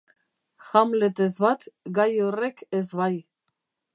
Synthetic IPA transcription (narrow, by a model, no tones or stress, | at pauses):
xamlet̪ezβat̪ɡajorekezβaj